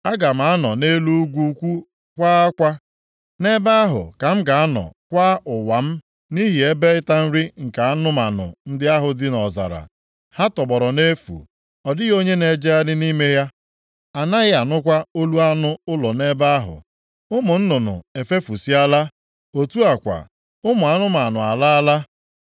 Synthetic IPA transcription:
a˦ɡa˨m̩˨a˨˦nɔ˨ne˦lu˦u˦ɡʷu˦kʷu˦ | kʷaː˦a˦kʷa˦ | ne˦ba˦a˦ɦʊ̰˨ka˨m̩˦ɡa˨a˦nɔ̰˨kʷa˦ʔʊ˨wa˨m̩˦ | ni˦ɦi˨e˦be˦ɪ˦ta˦n̩˦ɾi˦ŋ̩˨ka˨a˦nʊ˦ma˨nʊ̰˨n̩˦dɪ˦a˦ɦʊ˨dɪ˦nɔ˨za̰˨ɾa̰˨ | ha˦tɔ˨bɔ˨ɾɔ˨ne˦fṵ˨ | ɔ˨dɪ˦ɣo˦ɲe˦ne˨d͡ʒe˦a˦dɪ˦ni˦me˦ja˦ | a˨na˦ɣɪ˦a˨nʊ˦kʷa˦o˦lu˦a˦nʊ˦ʊ˦lɔ˨ne˦ba˦a˦ɦʊ̰˨ | ʊ˦mʊ˨n̩˦nʊ˨nʊ̰˨e˨fe˦fu˨si˦a˦la˦ | o˨tu˦a˨kʷa̰˨ | ʊ˦mʊ˨a˦nʊ˦ma˨nʊ˨a˨la˦a˦la˦

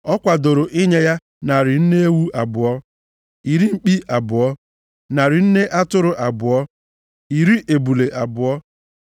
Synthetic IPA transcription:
ɔ˦kʷa˨do˨ɾo˨ʔɪ˦ɲe˦ja˦ | na˨ɾɪ˨n̩˦ne˦e˦wu˦ʔa˨bʊ˨ɔ˦ | i˨ɾi˦ŋ͡m̩˨k͡pi˦ʔa˨bʊ˨ɔ˦ | na˨ɾɪ˨n̩˦ne˦ʔa˦tʊ˦ɾʊ˨ʔa˨bʊ˨ɔ˦ | i˨ɾi˦ʔe˨bu˨le˨ʔa˨bʊ˨ɔ˦

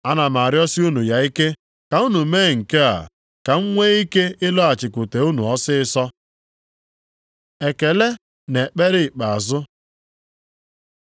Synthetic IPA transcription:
a˦na˨ma˨ɾjɔ˦sɪ˦u˦nu˨ja˨i˦ke˦ | ka˨u˦nu˨me˦˨ŋ̩˨ke˦a̰˨ | ka˨ŋ̩˦ŋʷe˦i˦ke˦ɪ˦lɔ˦a˨t͡ʃɪ˨kʷʊ˨te˨u˦nṵ˨ɔ˦sɪ˦ɪ˦sɔ˦ | e˨ke˨le˦ | ne˨k͡pe˦ɾɪ˦˨k͡pa˨a˨zʊ˦

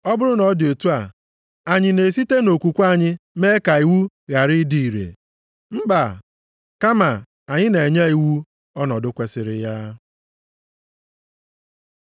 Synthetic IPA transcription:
ɔ˦bʊ˦ɾʊ˦nɔ˨˦dɪ˨o˨tu˦a˨ | a˨ɲɪ˨ne˨si˦te˦no˨kʷu˨kʷa˦˨ɲɪ˦me˦ka˨i˨wu˦ | ɣa˨ɾɪ˦di˨i˨ɾḛ˨ | m̩˦ɡ͡ba˨ | ka˦ma˨ | a˨ɲɪ˦ne˨ɲe˦i˨wu˦ | ɔ˦nɔ˨dʊ˦kʷe˨sɪ˨ɾɪ̰˨ja˦

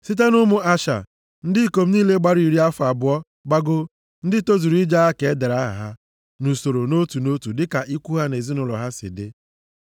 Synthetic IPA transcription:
si˦t̬e˦nʊ˦mʊ˦a˦ʃa̰˨ | n̩˦dɪ˦˨ko˨m̩˦niː˦le˦ɡ͡ba˦ɾi˨ɾi˦a˦fa˨bʊ˨˦ɔ˦ | ɡ͡ba˦ɡo˦ | n̩˦dɪ˦to˦zu˨ɾi˦d͡ʒa˦a˦ke˨e˦de˨ɾa˦ɦa̰˨ɦa˦ | nu˨so˨ɾo˨no˦tu˨no˦tu˨dɪ˦ka˨ʔi˦kʷu˦ɦa˦ne˨zi˦nʊ˨lɔ̰˨ɦa˦sɪ̰˨dɪ̰˦

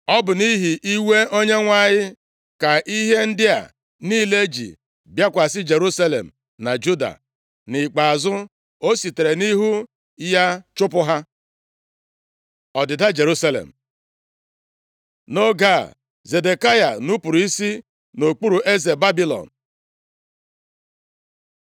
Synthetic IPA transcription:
ɔ˦bʊ˨ni˦ɦi˨ʔi˦we˦ʔo˦ɲe˦ŋʷa˦˨ɲɪ˦ | ka˨ʔi˦ɦe˦n̩˦dɪ˦a̰˨ | niː˦le˦d͡ʒḭ˨ | bja˦kʷa˨sɪ˦d͡ʒe˨ɾu˦sa˦lḛ˨m̩˨ | na˨d͡ʒu˦da̰˨ | nɪ˨k͡pa˨a˨zʊ˦ | o˦si˨te˨ɾe˨ni˦ɦu˦ | ja˦t͡ʃʊ˦p̬ʊ˦ɦa˦ | ɔ˨dɪ˨da˦d͡ʒe˨ɾu˦sa˦lḛ˨m̩˨ | no˦ɡa̰˦˨ | ze˨de˨ka˦ja̰˨nu˦pu˨ɾi˦si˦ | no˨k͡pu˦ɾu˨ʔe˦ze˨ba˦bi˦lɔ̰˨n̩˨

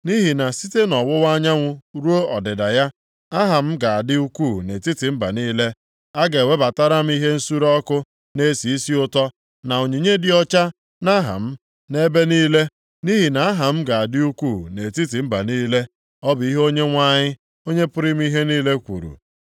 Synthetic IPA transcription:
ni˦ɦi˨na˨si˦te˦nɔ˨wʊ˦wa˦ɲa˦ŋʷʊ˦ɾu˦o˦ɔ˨dɪ˨da˨ja˦ | a˦ɦa˨m̩˦ɡa˨a˨dɪ˦u˦ku˦˨ne˨ti˦ti˨m̩˦ba̰˨niː˦le˦ | a˦ɡe˨we˦ba˨ta˦ɾa˦m̩˦i˦ɦe˦n̩˦su˦ɾɔ˦kʊ˦ | ne˦si˨i˦si˦ʊ˦tɔ˦ | na˨o˨ɲi˨ɲe˦dɪ˦ɔ˦t͡ʃa˦ | na˦ɦa̰˨m̩˦ | ne˦be˦niː˦le˦ | ni˦ɦi˨na˨a˦ɦa˨m̩˦ɡa˨a˨dɪ˦u˦kʷu˦˨ne˨ti˦ti˨m̩˦ba̰˨niː˦le˦ | ɔ˦bʊ˨i˦ɦo˦ɲe˦ŋʷa˦ɲɪ˦ | o˦ɲe˦pʊ˦ɾɪ˦m̩˦i˦ɦe˦niː˦le˦kʷṵ˨ɾṵ˨

